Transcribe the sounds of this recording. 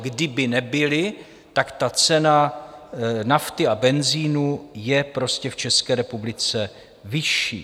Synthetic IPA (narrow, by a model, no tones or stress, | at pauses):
ɡdɪbɪnɛbɪlɪ | t̪akt̪at͡sɛna | naft̪ɪabɛnziːnujɛpɾo̞scɛft͡ʃɛskɛːɾɛpublɪt͡sɛ | vɪʃḭː